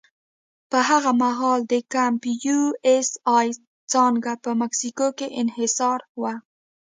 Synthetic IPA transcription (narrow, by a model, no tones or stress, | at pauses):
pəɦaɣamaɦɑld̪əkampjuesɑj | t͡sɑŋɡapəmaksikokeʔɪnhɪsɑɾwa